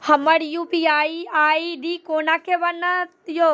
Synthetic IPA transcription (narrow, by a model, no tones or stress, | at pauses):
hɐməɽjuːpiaːiaːiɗiːkoːnakʰeʋɐnə | ijo